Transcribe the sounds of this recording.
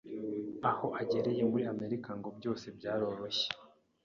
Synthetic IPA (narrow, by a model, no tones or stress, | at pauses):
aho̞ʔaɟe̞ɾeje̞muɾiame̞ɾikaŋɡo̞bjo̞ːse̞bɟaːɾo̞ːɾo̞çe̥